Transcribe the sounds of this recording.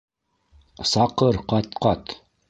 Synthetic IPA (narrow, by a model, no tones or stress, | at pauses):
sɑqɤɾqɑt̪qɑt̪